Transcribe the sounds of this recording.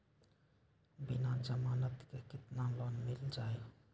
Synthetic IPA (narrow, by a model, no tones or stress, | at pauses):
binand͡ʒamanat̪kekit̪nanlonmild͡ʒaj